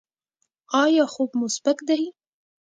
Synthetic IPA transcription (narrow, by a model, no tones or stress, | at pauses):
ɑjɑxubmʊsbakd̪aji